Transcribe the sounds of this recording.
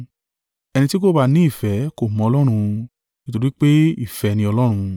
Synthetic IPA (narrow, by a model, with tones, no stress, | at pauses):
ɛ˧nĩ˧ti˦ko˦˨ba˧˨nĩ˨˦i˦˨fɛ˨˦ko˦˨mɔ̃˧ɔ˧lɔ˦ɾ̃ũ˧ | ni˦to˧ɾi˦k͡pe˦i˦˨fɛ˨˧nĩ˧ɔ˧lɔ˦ɾ̃ũ˧